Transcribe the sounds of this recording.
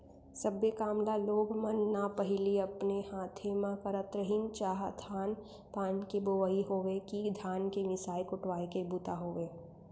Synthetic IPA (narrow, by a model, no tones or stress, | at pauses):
sɐbːekaːmlaloːɡmənːapəɦɪliɐpnehãːt̪ʰemãkəɾət̪ɾəɦɪ̃ŋɡt͡ʃaːɦd̪ʰaːn | p̪aːnkeboːʋəiɦoːʋekid̪ʱaːnkeʋɪsaːjkʊʈwaːekebut̪aɦoːʋeː